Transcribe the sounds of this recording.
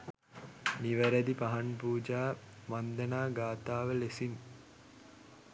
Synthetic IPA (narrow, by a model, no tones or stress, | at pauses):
niʋəɾæd̪ipaɦanpuːd͡ʒaː | mand̪ənaːɡaːt̪aːʋəlesin